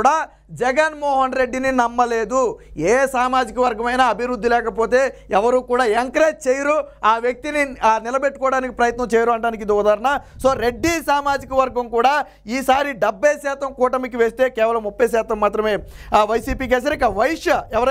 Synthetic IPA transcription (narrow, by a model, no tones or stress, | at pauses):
ɽaː | d͡ʒɛɡɐnmoːɦɐnɾe̞ɖːininɐmːɐle̞ːd̪ueːsaːmaːd͡ʒikɐʋɐɾɡɐmɐjnaɐbʱiɾud̪ːilɛːkɐpo̞ːt̪e̞ːɛʋɐɾuːkuːɽaːeŋkɐɾeːt͡ʃeːjɐɾuaːʋjek̚t̪ininilɐbeʈːukɔːɽaːnikipɾɐjɐt̪nɐmt͡ʃɛːjɐɾuɐɳɖaːnikid̪ɔd̪aːɾɐɳaso̞ːɾe̞ɖːisaːmaːd͡ʒikɐʋɐɾɡɐmkuːɽaː | iːsaːɾiɖɐbʱːɐjsɛːt̪ɐmkɔːʈɐmikiʋeːst̪e̞ːkɛːʋɐlɐmːupːɐjsɛːt̪ɐmːaːt̪ɾɐmeːʋɐjsiːpiːkeːs̬aːɾeikaʋɐjiʂjɐɛʋɐɾɐ